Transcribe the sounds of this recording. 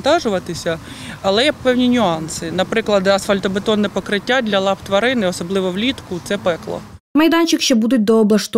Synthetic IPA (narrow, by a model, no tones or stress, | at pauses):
nt̪ɑʒʊʋɐt̪ɪsʲɐ | ɐlˠɛjɛpɛwnʲinʲʊɑnsɪnɐpɾɪklˠɐd̪ɐsfɐlʲt̪ɔbɪt̪ɔnːɛpɔkɾɪtʲːadʲlʲɐlˠɑpt̪ʋɐɾɪnɪɔsɔblˠɪʋɔwlʲit̪kʊt̪sɛpɛklˠɔ̰ | mɐjd̪ɑnʲt͡ʃɪkʃɛbud̪ʊt̚ʲd̪ɔːblˠɐʃt̪